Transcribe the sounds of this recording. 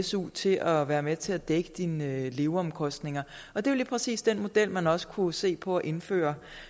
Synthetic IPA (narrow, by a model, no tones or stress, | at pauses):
sṵːt͡sʰe̝ʔɒʋæːɐmet͡sʰe̝æd̥eɡ̥əd̥inle̝ʊɒ̽mkʰɒ̽sd̥ne̝ŋɐ | ɒ̽d̥e̝ʋɐliːpʰʁɛsḭːsd̥en̰mo̝d̥el̰mænɒ̽sə̥kʰuse̝̰ːpʰɒ̽æʔe̝nfø̰ːɐ